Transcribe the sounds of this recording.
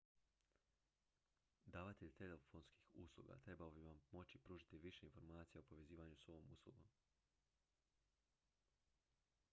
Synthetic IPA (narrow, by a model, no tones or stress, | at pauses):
d̪aːʋat̪eʎt̪ele̞fo̞nski̥xuslˠṵɡa̰t̪ɾe̞baobiʋammo̞t͡ɕipɾuːʒit̪iʋiʃeinfo̞ɾmaːt̪sijaopoʋe̞ziːʋaɲuso̞ʋomuslˠṵɡo̞̰m